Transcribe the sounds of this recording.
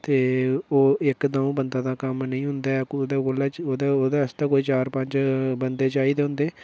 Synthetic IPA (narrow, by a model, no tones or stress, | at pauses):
t̪eːoːɪkd̪aːũːbənd̪ãːd̪aːkəmnəĩːɦʊnd̪aːɛkːd̪aːɡolaːt͡ʃoːd̪aːoːd̪aːst̪aːkoːiːt͡ʃaːɾpə̃ɲt͡ʃbənd̪eːt͡ʃaːiːd̪eːɦʊ̃nd̪eː